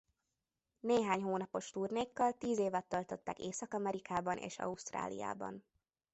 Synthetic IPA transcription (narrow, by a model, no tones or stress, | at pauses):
neːɦaːɲɦoːnɒpo̞ʃt̪urneːkːɒlt̪iːzeːvɛt̪ːɒlt̪o̞t̪ːakeːsɒkɒmɛɾikaːbɒnʔḛːʃɒ̰uʃt̪ra̰ːlḭja̰ːbɒ̰n